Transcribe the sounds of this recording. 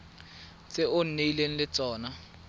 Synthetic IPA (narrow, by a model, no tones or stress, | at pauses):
t͡sʼɪʊn̩neilen̩lɪt͡sʼɔːna